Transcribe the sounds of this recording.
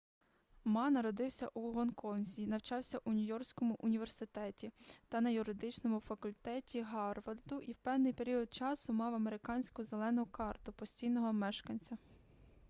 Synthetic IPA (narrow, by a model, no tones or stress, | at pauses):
mɑnɐɾɔd̪ɪwsʲɐʔuɦɔnkɔnzʲinɐwt͡ʃɑwsʲɐʔunʲʊjɔrsʲkɔmʊʔʊnʲiʋe̞rsɪt̪ɛtʲit̪ɐnɐjʊɾɪd̪ɪt͡ʃnɔmʊfɐkʊlʲt̪ɛtʲiɦɑrʋɐrd̪ʊʔiwpɛwnɪjpe̞ɾʲiɔd̪̚t͡ʃɑsʊmɑwɐmeɾɪkɑnʲsʲkʊzelˠɛnɔkɑrt̪ʊpɔsʲtʲijnɔɦɔmɛʃkɐnʲt͡sʲɐ